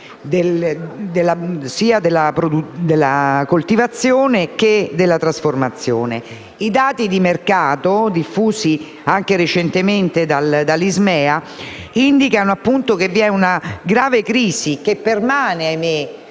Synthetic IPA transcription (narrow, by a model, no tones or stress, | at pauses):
d̪eld̪elːasiːad̪elːapɾod̪ud̪elːakolt̪ivat̪sːjoːneked̪elːat̪ɾasformat̪sːjoːne | id̪aːt̪id̪imerkaːt̪od̪ifːuːsi | aŋk̟eɾet͡ʃɛnt̪ement̪ed̪ald̪alːizmɛːa | ind̪ikanoapːunt̪ok̟evːiɛunaɡɾaːvekɾiːzik̟epːermaːneajme